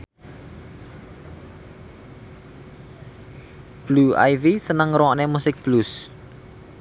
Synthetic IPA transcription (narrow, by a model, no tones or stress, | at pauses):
b̥lua̰jvisənəŋroɔʔnemusɪk̚b̥lus